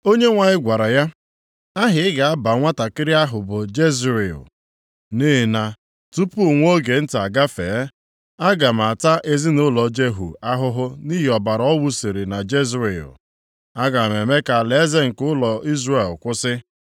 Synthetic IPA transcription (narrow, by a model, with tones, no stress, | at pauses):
o˦ɲe˦ŋʷa˨ɲɪ˦ɡʷa˨ɾa˨ja˦ | a˦ɦɪ˨˦ɪ˦ɡa˨a˦ba˨ŋʷa˦ta˨kɪ˦ɾɪ˦a˦ɦʊ˨bʊ˨d͡ʒe˦zɾe˨ʊ̰˨ | ni˦ɦɪ˨na˨ | tu˦pu˦˨ŋʷ˦o˦ɡe˨n̩˦ta˨ɡa˦fe˨˦ | a˦ɡa˨m̩˨a˨ta˦ʔe˦zi˦nʊ˦lɔ˨d͡ʒe˦ɦṵ˨a˦ɦʊ˦ɦʊ˦ni˦ɦi˨ɔ˨ba˨ɾɔ˦wu˦si˨ɾi˨na˨d͡ʒe˦zɾe˨ʊ̰˨ | a˦ɡa˨me˨me˦ka˨le˨˦ze˦ŋ̩˨kʊ˦lɔ˨i˦zɾe˦˨lkʷʊ˦sɪ˦